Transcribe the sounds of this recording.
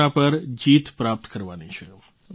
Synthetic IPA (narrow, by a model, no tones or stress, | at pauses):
ãpəɾd͡ʒit̪pɾap̚t̪kəɾʋanit͡ʃʰɛ